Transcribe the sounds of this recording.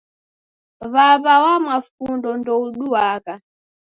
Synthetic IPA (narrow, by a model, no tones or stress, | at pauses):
βaβawamwafundɔndɔuɗuaka